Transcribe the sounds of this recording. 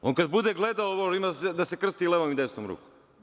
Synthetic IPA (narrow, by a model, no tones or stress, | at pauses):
onkad̪bud̪eɡled̪aoboʃimased̪asekr̩st̪ileʋomimd̪est̪omɾṵːkom